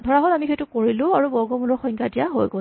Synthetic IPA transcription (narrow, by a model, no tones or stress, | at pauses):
dʱɔɹaɦɔlamixejtʊkoɹilʊ̃aɹubɔɹɡɔmuɹɔxɔjŋkʰadijaɦojɡo